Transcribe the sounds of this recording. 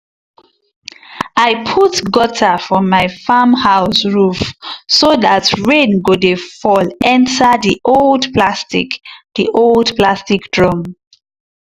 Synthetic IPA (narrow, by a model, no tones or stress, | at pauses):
aɪpʰutɡɔtʰəfɹɔ̃mːaɪfamhaʊsɹufsoðatɹẽnɡodefɔlɛ̃ntʰəðiʔoldpʰlastikðiʔoldplastikd̥ɹɔm